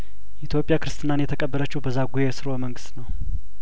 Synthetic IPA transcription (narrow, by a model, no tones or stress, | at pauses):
ɛit̪ʰjo̞pʼːjakɨɾɨst̪ʰʼɨnanjɛt̪ʰəkʼəbːələt͡ʃːɛwbəzːaɡujesɨɾoməŋɡɨst̪nəw